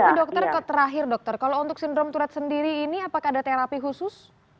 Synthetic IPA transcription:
dɔk̚t̪ərkət̪əɾaɦɪrdɔk̚t̪ɔrkalount̪ʊksindɾɔmt̪uɾat̪̚səndiɾiːniapakadat̪eɾapiɦusʊs

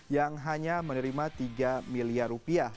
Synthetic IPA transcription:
jaŋɦaɲamənəɾimat̪iɡamiliarupiah

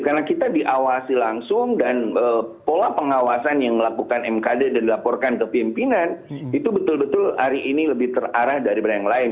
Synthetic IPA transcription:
karnakit̪adiʔawasilaŋsʊŋdanəpolapəŋawasanjaŋməlakukanɛmkadedandilapɔrkankəpimpinanit̪ubət̪ʊlbət̪ʊla̰ɾiʔiniləbɪht̪əraɾahdaɾibəɾajaŋlaɪn

